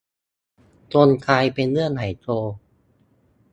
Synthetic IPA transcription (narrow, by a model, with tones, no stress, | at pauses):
t̪o˧nkʰaː˧jpe˧nlɯ˥˩ənha˨˩˦jt̪oː˧